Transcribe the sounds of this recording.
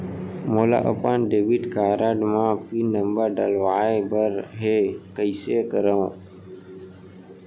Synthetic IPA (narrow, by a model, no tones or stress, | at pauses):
moːla̰ːʔə̰paːnɖeːʋiʈkaːɾaːɖmãːpiːnəmbəɾɖəlʋaːbəɾɦeːkəɪseːkəɾə̃